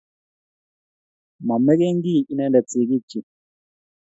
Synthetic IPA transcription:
ma˨mɛ˦kɛ˦ŋ˦ɡi˦˨i˦nɛ˦ndɛ˨t͡si˨ki˦˨t͡ʃi˨

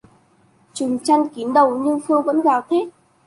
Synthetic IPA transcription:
t͡ɕɨ˨˩ŋt͡ɕa˧jŋki˨˦ənɗə˨˩wɲɨ˧ŋxɨ˧əŋvə̰˧˥nɣaː˨˩wt̪ʰe˦˥t̚

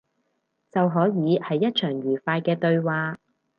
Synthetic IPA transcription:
t͡sɐ˨wɦɔː˨˥jiː˨˧˥hɐ˨˧jːɐ˥t̚t͡ʃʰœː˨˩ŋɥyː˨˩faː˧jkɛː˧t̪ɵ˧ɥwaː˧

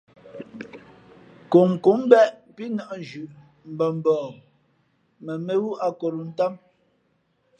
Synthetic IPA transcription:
ko˨ŋ˨ku˨˦m˦bɛ˦ʔpi˦nɔ˦˨ʔn˨d͡ʒʉ˨ʔ | m̩˨bə˨m˨bɔː˨ | mɛ˨me˦wu˦ʔa˦ko˨ɾu˨n̩˦ta˦m

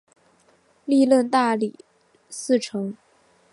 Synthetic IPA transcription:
li˥˧lwə˥˧nt̪a˥˩li˨˩˦ | sɹ̩˥˩ʈ͡ʂʰɤ˧˥ŋ

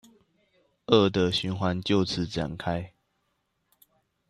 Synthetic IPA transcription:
ə˥˨d̪ə˨ɕy˨˦nxwa˧˦nt͡ɕjo˥˨ʊt͡s̩ʰ˨˦ʈ͡ʂa̰˨˩nkʰa˦ɪ

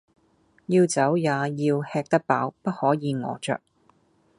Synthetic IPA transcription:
jiː˧wt͡sɐ˨˥wjaː˨˧jiː˧whɛː˧k̚t̪ɐ˥k̚pa̰ː˨˥wpɐ˥t̚hɔː˨˥jiː˨˧ŋɔ̰ː˨˧t͡ʃœ̰ː˨k̚

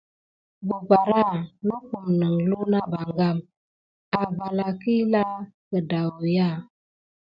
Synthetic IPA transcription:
bu˨pa˨ɾa˦˨lu˦ku˨mnə˨ŋlu˦na˦ba˨ŋɡa˦˨m | a˨ba˨la˨ki˦la˦kə˨da˨wu˨ja˦˨

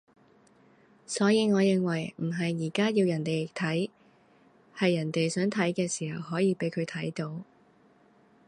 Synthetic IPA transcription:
sɔː˨˥jiː˨˧ŋɔː˨˧jɪ˨˧ŋwɐ˨˩jm̩˨˩ɦɐ˨jːiː˨˩kaː˥jiː˧wjɐ˨˩nt̪e˨jɪ˨k̚t̪ʰɐ˨˥j | hɐ˨jːɐ˨˩nt̪e˨jsœː˨˥ŋt̪ʰɐ˨˥jkɛː˧siː˨˩hɐ˨whɔː˨˥jiː˨˧pe˨˥jkʰɵ˨˧ɥt̪ʰɐ˨˥jt̪o˨˥w

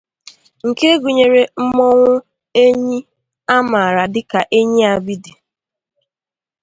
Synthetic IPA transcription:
ŋ̩˨ke˦ɡu˨ɲe˨ɾe˨m̩˦mɔ˦ŋʷʊ˦ | e˦ɲi˦ | a˦ma˨ɾa˨dɪ˦ka˨ʔe˦ɲi˦a˨bi˦di˨

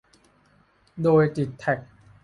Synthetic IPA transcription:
doː˧jt̪i˨˩t̪ʰːɛ˨˩k̚

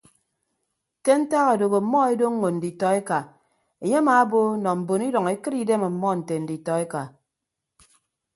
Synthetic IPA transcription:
te˦n̩˦ta˦ɣa˨do˨ɣo˨m̩˨˦mɔ˦e˦do˦ŋ˦ŋo˨n̩˨di˨tɔ˨e˦ka˨ | e˨ɲe˦maː˨a˦bo˦nɔ˨m̩˨bo˨ni˦dɔ˨ŋe˦kɨ˦ɾi˦de˦me˨m̩˨mɔ˦n̩˨te˨n̩˨di˨tɔ˨e˦ka˨

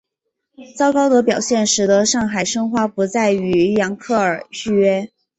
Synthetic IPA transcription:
t͡sɑ˥ʊkɑ˥ʊd̪ə˧˥pjɑ˨˩ʊɕjɛ˥˩nʂɻ̩˨˧˥d̪ə˧˥ʂɑ˥˩ŋxa˨˩ɪʂɤ˥ŋxwa˥˩pu˧˥t͡sa˥˩ɪy˧˥jɑ˧˥ŋkʰɤ˥˩ə˞˨˩ɕy˥ɥɛ˥

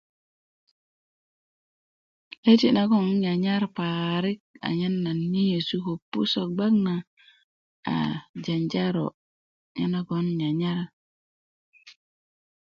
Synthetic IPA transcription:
le˦ti˨na˦ɡo˦nɲa˨ɲa˦ɾpa˨ɾi˦k̚a̰˨ɲa˦nːa˨nːi˦je˨su˦ko˨pːṵ˦so˨k̚ɡ͡ba˦kna˨ | a̰˨d͡ʒa˨nd͡ʒa˦ɾo̰˨ | ɲa˦na˦ɡo˦nɲa˨ɲa˦ɾ

